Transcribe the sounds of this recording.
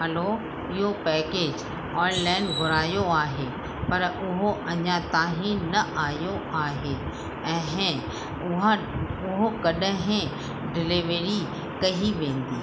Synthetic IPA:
ɦɐloː | ɪɦopɛːkeːd͡ʑ | ɔːjlaːɪnbʱʊɾaːjoaːɦe | pɐɾʊɦoʔɐɲãt̪aːɦĩnɐʔaːjoaːɦe | ɛ̃ːɦ | ʊɦa | ʊɦokɐɗəɦɪ̃ | ɖɪlɪʋeɾi | kɐɦiʋẽːn̆d̪iː

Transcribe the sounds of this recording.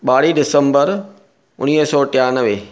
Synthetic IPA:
ɓaːɽiɖɪsə̃mbəɾ | ʊ̰niːɦsɔːʈɪjaːnəʋe

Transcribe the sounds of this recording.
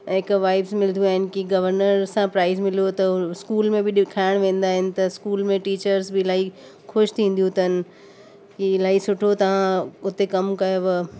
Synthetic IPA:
ɪkʋaːɪbsmɪld̪jũaːɦɪnɪ̆kiɡɐʋəɾnəɾsãpɾaːɪzmɪlijot̪ɐskuːlmẽbɪɗɪkʰaːɪɽ̃ʋẽːn̆d̪aːɦɪnɪ̆t̪ɐskuːlmẽʈiːt͡ɕəɾzbɪɪlaːɦi | xʊʃt̪ʰĩːn̆d̪ijũt̪ɐnɪ̆ | kiɪlaːisʊʈʰot̪ɐʋ̤ãʊt̪ekɐmkɐjoʋɐ

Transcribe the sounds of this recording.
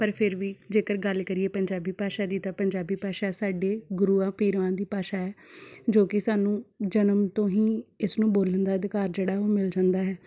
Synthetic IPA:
pəɾpʰɪɾʋiːd͡ʒeːkəɾɡəlkəɾieːpəɲd͡ʒaːbiːpaːʃaːd̪iːt̪ãːpəɲd͡ʒaːbiːpaːʃaːɛsaːɖeːɡʊɾuːãːpiːɾʋãːd̪iːpaːʃaːɦɛːd͡ʒoːkɪsaːnũːd͡ʒənəmt̪õːɦĩːɪsnũːboːlənd̪aːəd̪ɪkaːɾd͡ʒeːɽaːoːmɪld͡ʒãːnd̪aːɦɛː

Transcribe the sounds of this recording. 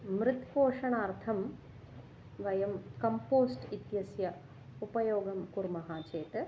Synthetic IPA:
mɾɪt̪poːʂɐɳaːɾt̪ʰɐm | ʋɐjɐmkɐmpoːsʈit̪jɐsjɐ | upɐjoːɡɐmkuɾmɐɦaːt͡ʃeːt̪ɨ

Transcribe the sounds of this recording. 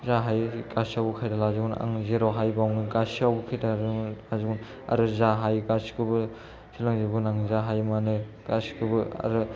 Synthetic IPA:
zaɦajkasiawbukʰajdalaziɡuna̰ŋzeɾɔɦajbawnɯɡasiawbukʰajdaɾlaziɡun | a̰ɾɯzaɦajɡasi̥kʰɯbɯ | sʰilaŋzebunaŋzaɦajmanɯɡasi̥kʰɯbɯa̰ɾɯ

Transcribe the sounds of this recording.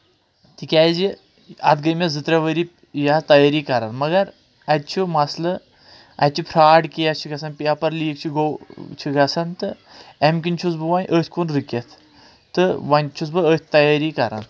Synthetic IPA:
t̪ikʲaːjzi | ɐ̰t̪ʰɡɐjmʲezɨt̪ɾɐʋəɾi | jaːt̪ɐjaɾikɐɾanmɐɡɐɾ | ɐt̪̚t͡ʃʰumɐslɐ | ɐ̰t̪̚ʲt͡ʃʰupʰɾaːɖkʲijat͡ʃʰuɡɐsɐnpʲiapɐɾliːk̚t͡ʃʰuɡowt͡ʃʰiɡɐsɐnt̪ɨ | emkinʲt͡ʃʰut͡sbɨʋaːnʔəːt̪ʰʲkunɾɨkʲɐt̪ʰ | t̪ɨʋanʲt͡ʃʰut͡sbɨəːt̪ʲʰt̪ɐjaɾikɐɾa̰n

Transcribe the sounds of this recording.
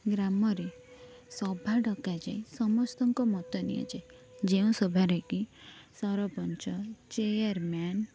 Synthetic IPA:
ɡɾamɔɾe | sɔbʱaɖɔkad͡ʒajsɔmɔst̪ɔŋkɔmɔt̪ɔnḭa̰d͡ʒaj | d͡ʒeũsɔbʱaɾekisɔɾɔpɔnt͡ʃɔt͡ʃejaɾman

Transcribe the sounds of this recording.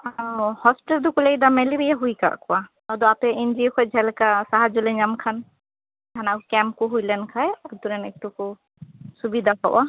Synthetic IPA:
amhɔspiʈɛld̪ukulɛjd̪amɛlibijaɦujka̰ʔkɔwa | ɔd̪ɔapɛind͡ʒiɔkʰɔjd͡ʒʱɛlkasaɦad͡ʒulɛɲamkʰan | d̪anakkɛmp̚kuɦujlɛnkʰajat̪uɾɛnɛk̚t̪uku | subid̪ʱapawʔa

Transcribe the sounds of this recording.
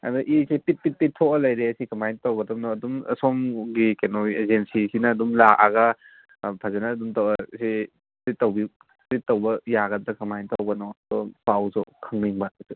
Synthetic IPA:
ɐ̰duʔisepit̚pit̚pittʰːɔkɐlɐjɾeɐsikɐmajntɐwɡɐtɐmnɔɐdumɐ̰sɔmɡikenɔezensisinɐːdumlaʔa̰ɡɐ | pʰazenɐːdumtɐwɐsi | ɾit̚ːɐwbi | ɾit̚ːɐwbɐjaɡɐtɐkɐmajntɐwɡɐnɔɐdɔpawsɔkʰɐŋniŋbasi

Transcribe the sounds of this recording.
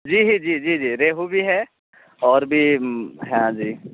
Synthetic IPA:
d͡ʒiːɦid͡ʒiːd͡ʒiːd͡ʒiːɾeːɦubʱiɦɛː | ɔːɾbʱiɦãd͡ʒiː

